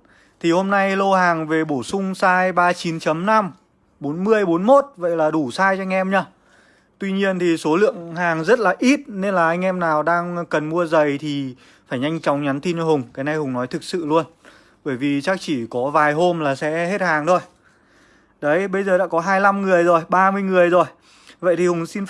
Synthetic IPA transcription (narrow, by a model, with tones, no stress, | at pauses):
t̪ʰi˨˩ho˧mna˧jlo˧haː˨˩ŋve˨˩ɓo˧˩sʊ˧ŋ͡msaː˧jɓaː˧t͡ɕi˨˦nt͡ɕə˨˦mna˧m | ɓo˨˦nmɨ˧əjɓo˨˦nmo˦˥t̚və̰˧˨jlaː˨˩ɗu˧˩saː˧jt͡ɕɔ˧ŋ̟ʔɛ˧mɲaː˧ | t̪wi˧ɲi˧ənt̪ʰi˨˩so˨˦lɨ̰˧˨əŋɦaː˨˩ŋzə˦˥t̚laː˨˩ʔi˦˥t̚ne˧nlaː˨˩ʔa˧ŋ̟ʔɛ˧mnaː˨˩wɗaː˧ŋkə˨˩nmu˧əzə˨˩jt̪ʰi˨˩ | faː˧˩jɲa˧jŋt͡ɕɔ˨˦wŋ͡mɲa˨˦nt̪i˧nt͡ɕɔ˧ɦʊ˨˩ŋ͡mkaː˨˦jna˧˩jhʊ˨˩ŋ͡mnɔ˨˦jt̪ʰɨ˨˩k̚sɨ̰˧˨lu˧ən | ɓəː˧˩jvi˨˩t͡ɕaː˦˥k̚t͡ɕi˧˩kɔ˨˦vaː˨˩jɦo˧mlaː˨˩sɛ̰˧˥he˦˥t̚haː˨˩ŋt̪ʰo˧j | ɗə˨˦jɓə˧jzəː˨˩ɗa̰ː˧˥kɔ˨˦ɦaː˧jla˧mŋɨ˨˩əjzo˨˩jɓaː˧mɨ˧əjŋɨ˨˩əjzo˨˩j | və̰˧˨jt̪i˨˩hʊ˨˩ŋsi˧n